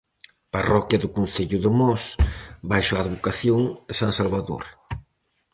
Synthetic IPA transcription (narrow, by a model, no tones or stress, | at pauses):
parɔkjɐðʊkun̟θeʎuðemɔsbajʃaːðβukaθjoŋsansalβaðo̰ɾ